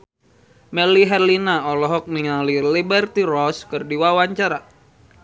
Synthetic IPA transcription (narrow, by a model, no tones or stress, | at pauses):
mɛliɦɛrlinaɔlɔɦɔk̚niŋalilibɛrt̪iɾɔskɨrdiwawaɲt͡ʃaɾa